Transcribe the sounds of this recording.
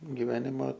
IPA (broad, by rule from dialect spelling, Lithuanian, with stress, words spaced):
ɡʲɪˈʋʲæːnʲɪmɐ